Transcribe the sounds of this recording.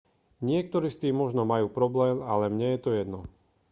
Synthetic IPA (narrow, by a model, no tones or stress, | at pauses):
ɲɪɛk̚t̪ɔɾiːst̪iːmmɔʒnɔmajuːpɾɔblɛːmalɛmɲɛjɛt̪ɔjɛd̪nɔ